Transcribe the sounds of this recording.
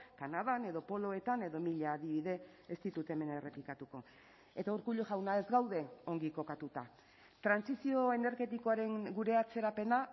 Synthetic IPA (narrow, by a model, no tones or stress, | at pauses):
kanaðane̞ðo̞po̞lo̞e̞t̪ane̞ðo̞miʎaːðiβiðe̞ | est̪it̪ut̪e̞me̞nere̞plikat̪uko̞ | e̞t̪auɾkuʎoʝawnae̞zɡawðe̞o̞ŋɡiko̞kat̪ut̪a | t̪ɾansisio̞e̞ne̞ɾɣe̞t̪iko̞aɾe̞ŋɡuɾe̞at͡se̞ɾape̞na